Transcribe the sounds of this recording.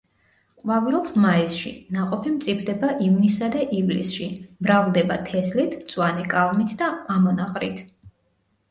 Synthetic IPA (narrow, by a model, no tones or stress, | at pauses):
qʼwavilɔlˠsmaisʃḭnaqʼɔpʰimt̪sʼipʰd̪ɛbaʔivnisad̪aʔivlḭsʃimɾavlˠd̪ɛbat̪ʰɛslit̪ʰt̪sʼwanikʼalˠmit̪ʰd̪aamɔnaqʼɾit̪ʰ